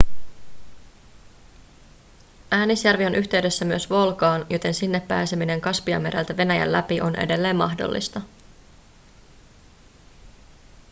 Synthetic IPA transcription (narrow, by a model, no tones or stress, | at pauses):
ʔæːnisjærʋio̞nʔyçt̪e̞ɥde̞sːæmyøsʋo̞lkɑːnjo̞t̪e̞nsinːe̞pːæːsemine̞ŋkɑspiɑ̰me̞ɾæ̰lt̪æʋe̞næjæ̰llæpiʔo̞̰nʔe̞̰de̞lːe̞ːmːɑxdo̰lːḭst̪ɑ